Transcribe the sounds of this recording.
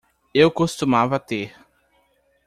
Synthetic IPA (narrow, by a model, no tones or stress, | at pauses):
ewkost̪umavɐt̪eɾ